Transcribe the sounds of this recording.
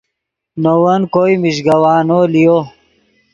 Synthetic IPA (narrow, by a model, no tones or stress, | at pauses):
nowɐnkojmiɕɡɐwaːnoːlijo